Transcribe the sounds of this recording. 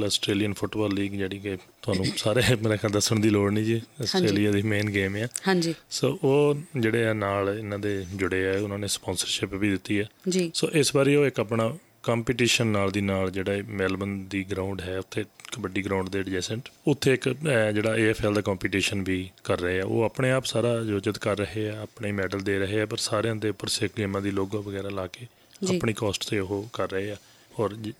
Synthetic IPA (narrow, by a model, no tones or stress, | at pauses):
ləsʈɾeːlijənpʰʊʈbɔːlːiːɡd͡ʒeːɽiːket̪ʊaːnũːsaːɾeːmeːɾɛːkəd̪əsːəɳd̪iːloːɽniːd͡ʒiːəsʈɾeːlijaːd̪iːmeːnɡeːmɛːhãːd͡ʒisoːʔoːd͡ʒeːɽeːnaːlɪnãːd̪eːd͡ʒʊɽeːɛːʊnãːneːspɔ̃ːnsəɾʃɪpbiːd̪ɪt̪ːiːɛːd͡ʒiːsoːʔɪsbaːɾiːoːɪkəpɳaː | kaːmpiːʈiːʃənːaːld̪iːnaːld͡ʒeːɽaːmɛːlbənd̪iːɡɾãːʊ̃ɳɖɦɛːʊt̪ʰːeːbəɖːiːɡɾãːʊ̃ɳɖd̪eːɖɪd͡ʒɛːsə̃ɳʈʊt̪ʰːeːɪkːd͡ʒeːɽaːeːɛːpʰɛːld̪aːkaːmpiːʈiːʃənbʱiːkəɾːəɦeːɛːo̰ːaːpɳeːaːpsaːɾaːd͡ʒoːt͡ʃət̪kəɾːəɦeːaːaːpɳeːmɛːɖəld̪eːɾəɦeːɛːpəɾsaːɾeãːd̪eːʊpːəɾseːkleːmãːd̪iːloːɡãːʋəɡɛːɾaːlaːkeː | d͡ʒapɳiːkɔːsʈt̪eːʊɦoːkəɾːəɦeːaː | ɔːɾ